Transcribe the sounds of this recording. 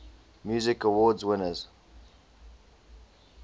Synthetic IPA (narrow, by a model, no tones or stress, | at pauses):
mjuːzɪkəwɔːdzwɪnəz̥